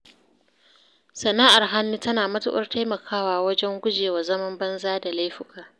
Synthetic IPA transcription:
sɐ˨naː˦ʔa˨rɦa˦nːu˦tɐ˦naː˨mɐ˦tʊ̰˦ɓɐ̰˦rtʰa˦jmɐ˨kʰaː˦waː˨wɐ˦d͡ʒɛ˦ŋɡʷʊ˦d͡ʒeː˨wa˨zɐ˦mɐ˦mbɐ˦nzaː˦da˨la˦jɸʊ˦kʼaː˨

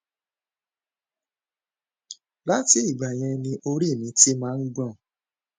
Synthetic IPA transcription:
la˦ti˦i˦˨ɡ͡ba˨j̃ɛ̃˧nĩ˧ʔo˧ɾi˦˨nĩ˨˦ti˦mãː˦n̩˦ɡ͡bɔ̃˦˨

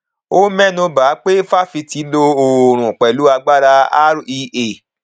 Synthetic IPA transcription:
o˦mɛ˦nũ˧ba˨˦k͡pe˦fa˦fi˧ti˨˧˦lo˧o˧˨ɾ̃ũ˨k͡pɛ˨lu˨˦a˧ɡ͡ba˦ɾa˧a̰˦ɾi˧ʔe˨

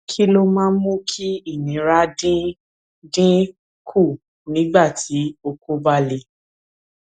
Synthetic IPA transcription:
kʰi˦lo˦mãː˦mũ˦kʰi˦i˦˨nĩ˨˦ɾa˦dĩ˦ | dĩ˦ | kʰu˦˨ | nĩ˨˦ɡ͡ba˦˨ti˨˦o˧ku˦ba˦le˧˦

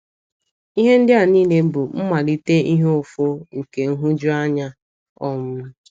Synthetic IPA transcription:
i˦ɦe˦n̩˦dɪ˦a˨niː˦ne˦bʊ˨m̩˦ma˨li˦te˦ʔi˦ɦe˦o˨fo˦ŋ̩˨ke˨ŋ̩˦ɦʊ˦d͡ʒʊ˦a˦ɲa˦ | ɔ˦mʊ˦

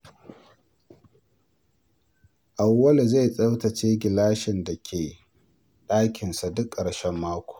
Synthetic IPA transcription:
ʔa˨wːɐ˦li˨za˦˨jsʼɐ˦wtɐ˨t͡ʃeː˦ɡʲɪ˨laː˦ʃɪ˨nda˨kʲʰeː˨ | ɗaː˦kʲɪ˨nsa˨dʊ˦kʼːɐ˨ɽʃɛ˦mːaː˦kʷo̥ː˨

